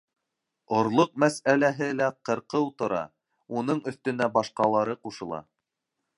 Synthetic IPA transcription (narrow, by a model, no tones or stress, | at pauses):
ŏɾlˠoq̚mæsælæɦɘlæqɤ̆ɾqɤwt̪ŏɾɑ̰ | unɤɴɵ̆θt̪ɵ̆næbɑʃqɑlˠɑɾɤquʃɤ̆lˠɑ̰